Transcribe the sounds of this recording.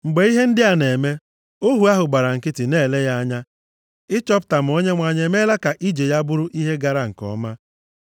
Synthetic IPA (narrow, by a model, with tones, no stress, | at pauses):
ŋ͡m̩˨ɡ͡be˨i˦ɦe˦n̩˦dɪ˦a˨ne˨me˦ | o˦ɦu˨˦a˦ɦʊ˨ɡ͡ba˨ɾa˨ŋ̩˨kɪ˦tɪ˨ne˦˨le˦ja˦a˦ɲa˦ | ɪ˦t͡ʃɔ˦pʊ˨ta˨m̩˨˦o˦ɲe˦ŋʷa˨ɲe˨me˦la˦ka˨ʔi˦d͡ʒe˨ja˦bʊ˦ɾʊ˦ʔi˦ɦe˦ɡa˨ɾa˦ŋ̩˨kɔ̰˨˦ma˦